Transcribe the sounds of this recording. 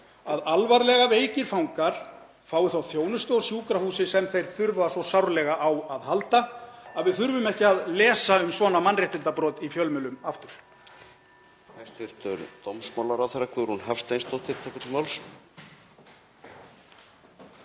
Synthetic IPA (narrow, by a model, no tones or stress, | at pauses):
aðalvaɾlɛɣaveːjcɪɾ̥fawŋkaɾ̥ | faːwʏθawθjoːwnʏst̪ʏɔsjuːkɾahuːsɪsɛmθejɾ̥θʏɾvasɔsawɾlɛɣaʔawaðhalt̪aaðvɪðθʏɾvʏmɛhcɪaðlɛːsaʏmsvɔːnamanrɛht̪ɪnt̪apɾɔːt̪ifjœlmɛlʏmaft̪ʏɾ̥ | hajst̪vɪɾ̥t̪ʏɾt̪omsmawlaɾawθeɾːakʰvʏðɾhunɦafst̪ejnst̪owt̪ʰɪlt̪ʰɛːkʏt̪ʰɪlmawls